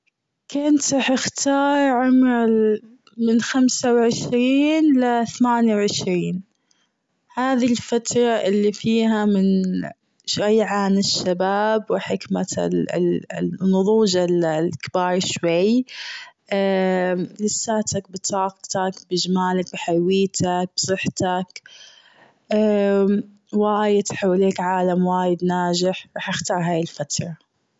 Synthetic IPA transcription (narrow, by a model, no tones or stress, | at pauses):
kʊnt̪ɑħɪxt̪ɑːɾˤʕʊmɾ | mɪnxamsawʕɪʃɾiːnlaθamaːnjawʕɪʃɾiːn | haːðilfat̪ɾˤɑʔɪlːifiːɦamɪn | ʃwajːʕanɪʃːabaːbwɪħɪkma | nːʊðˤuːd͡ʒallkɪbɑːɾˤʃwaj | ʔa | lɪsːaːt̪ak̚bɪt̪ʰɑːqt̪akbɪd͡ʒmaːlak̚bɪħajwiːt̪ʰak̚bsˤɨħt̪ak | ʔa | waːjɪt̪ħawːaleːkʕaːlamwaːjɪd̪naːd͡ʒɪħɾˤɑːħʔaxt̪ɑːɾˤɦaːjɪlfat̪ɾˤɑ